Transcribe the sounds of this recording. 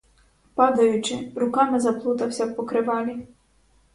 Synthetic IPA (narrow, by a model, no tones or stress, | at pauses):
pɑd̪ɐjʊt͡ʃɪɾʊkɑmɪzɐplˠut̪ɐwsʲɐwpɔkɾɪʋɑlʲi